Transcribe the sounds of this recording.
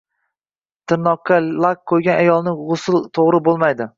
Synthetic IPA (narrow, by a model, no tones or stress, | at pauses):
t̪ʰɪnːɒqʰːalˠakqʰːojɡʲanajɒlˠnɪʁʊsɪlˠt̪ʰoʁɾɪbolˠmajd̪ɪ